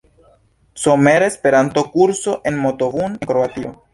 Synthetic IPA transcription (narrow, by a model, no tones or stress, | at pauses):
someɾespe̞ɾant̪o̞kuɾso̞ʔe̞nmot̪ovunkɾoat̪io